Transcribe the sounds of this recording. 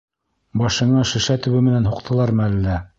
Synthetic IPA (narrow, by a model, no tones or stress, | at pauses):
bɑʃɤ̆ɴɑʃɘ̆ʃæt̪ɵ̆βɘmɘ̆nænɦuqt̪ʰɤ̆lˠɑɾmælːæ